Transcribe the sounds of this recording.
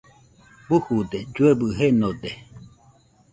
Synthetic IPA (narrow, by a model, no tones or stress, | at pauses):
buhud̪ed͡ʒuebɨɦenod̪e